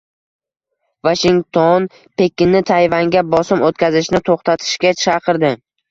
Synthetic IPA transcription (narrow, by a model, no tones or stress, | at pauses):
vaʃɪŋt̪ʰon | pe̞kʲɪnːɪt̪ʰajvaŋɡʲabɒsɪmot̪kʲazɪʃnɪt̪ʰoχt̪ʰat̪ʰɪ̥ʃkʲat͡ʃʰɑqʰɨɾd̪ɪ